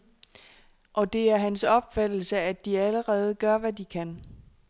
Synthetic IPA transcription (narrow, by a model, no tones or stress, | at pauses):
ʔɒ̽d̥e̝æɐɦænsɒ̽b̥fæd̥l̩səæd̥iæləʁɛːð̞̩ˠɡ̥ɶɐʋædikʰæn